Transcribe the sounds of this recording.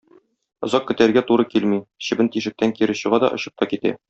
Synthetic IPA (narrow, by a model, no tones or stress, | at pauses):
ŏzɑqːɵ̆t̪æɾɡæt̪uɾɤkilmiɕɘ̆bɘnt̪iʃɘ̆k̚t̪æŋkiɾɘ̆ɕɤ̆ʁɑd̪ɒ̰ʔŏɕɤ̥p̚t̪ɑkit̪æ̰